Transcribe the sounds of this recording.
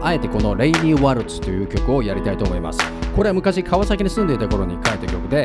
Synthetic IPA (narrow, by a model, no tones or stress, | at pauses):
ae̞t̪e̞ko̞no̞ɾe̞iɲʲiβaɾɯ̟t͡sɨ̥t̪ːo̞jɯ̟ːkʲo̞kɯ̟o̞jaɾʲit̪ait̪o̞ːmo̞ima̰sɨ̥ko̞ɾe̞amɯ̟kaɕikʰaβasakʲiɲ̟isɨ̃nd̪e̞it̪ako̞ɾo̞ɲ̟ikaet̪ːakʲo̞kɯ̟d̪e̞